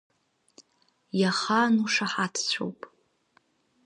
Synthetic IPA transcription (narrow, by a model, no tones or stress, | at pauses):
jaχanuʂaħatʰt͡ɕʷʰo̰wpʼ